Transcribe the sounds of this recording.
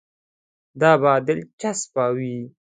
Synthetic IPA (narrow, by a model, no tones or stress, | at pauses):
d̪ɑːbɑːd̪ɪlt͡ʃaspɑːwi